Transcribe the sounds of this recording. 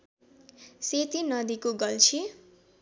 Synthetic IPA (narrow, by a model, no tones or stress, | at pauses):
set̪inʌd̪ikoɡʌlt͡sʰi